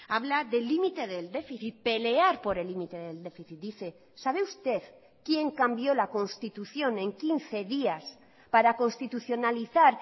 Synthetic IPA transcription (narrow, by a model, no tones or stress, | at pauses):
aβlaðe̞lːimit̪e̞ðe̞ld̪e̞fiθit̪̚pe̞le̞aɾpo̞ɾelːimit̪e̞ðe̞ld̪e̞fiθit̪̚d̪iθe̞ | saβ̞e̞ust̪e̞ð | kje̞ŋkambjo̞lako̞nst̪it̪uθjo̞nẽ̞ŋkinθe̞ðias | paɾako̞nst̪it̪uθjo̞naliθaɾ